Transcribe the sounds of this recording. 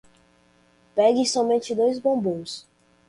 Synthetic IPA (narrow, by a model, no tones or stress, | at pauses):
pɛɡɪsɔmẽnt͡ʃɪd̪ojzbõbõws